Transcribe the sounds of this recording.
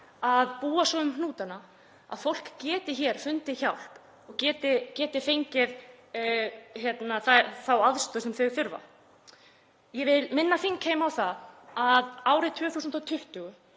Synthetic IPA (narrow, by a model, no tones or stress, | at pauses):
aðpuːasɔðʏmhnuːt̪ana | a̰ðfowl̥kcɛːt̪ɪçɛɾ̥fʏnt̪ɪçawl̥p | ɔɣcɛːt̪ɪcɛːt̪ɪfejɲcɪð | çjɛt̪naθaθawaðst̪ɔsɛmθɪɣθʏɾva̰ | jɛvɪlmɪnːafiŋkheːjmawθaðaðaːwɾɪt̪ʰʏːθusʏmnt̪ɔwt̪ʰʏht̪ʏɣʏ